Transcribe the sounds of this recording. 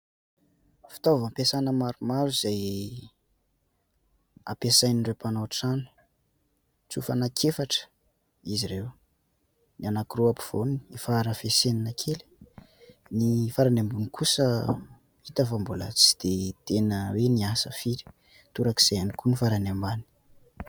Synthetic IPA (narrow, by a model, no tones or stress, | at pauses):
fi̥t̪ovampesanəmaɾumaɾuz̥aj | a̰pesajninɖ͡ʐrewpanoaʈ͡ʂani̥ | t͡sufanakʰefaʈ͡ʂə̥ | izirew | nianakiruapi̥v̥onniifaɾəfeseninakʰeli̥ | nifaɾanambunikʰusə | it̪afambula̰t͡si̥d̪̥et̪enəweniasəfiɾi̥ | t̪uɾaki̥z̥ajanikunifaɾanambani̥